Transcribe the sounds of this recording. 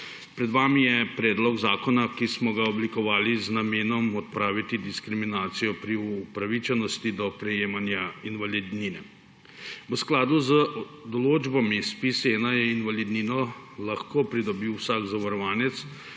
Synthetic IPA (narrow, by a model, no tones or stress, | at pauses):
pɾɛd̪ʋaːmijɛpɾɛːd̪lɔɡzaːkɔnakismɔɡaɔblikɔʋaːliznameːnɔmɔt̪̚pɾaːʋit̪id̪iskɾiminaːt̪sijɔpɾiupɾaʋit͡ʃɛnɔst̪id̪ɔpɾɛjeːmanjainʋalid̪ninɛ | ʋəsklaːd̪uzə | d̪ɔloːd͡ʒbɔmispiseːnajɛinʋalid̪ninɔlaxkoːpɾid̪ɔbiwsaːɡzaʋaɾɔʋaːnɛt̪s